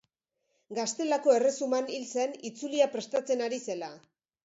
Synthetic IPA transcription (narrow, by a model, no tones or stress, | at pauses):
ɡast̪e̞lako̞e̞re̞sumanilse̞nit͡suliapɾe̞st̪at͡se̞naɾise̞la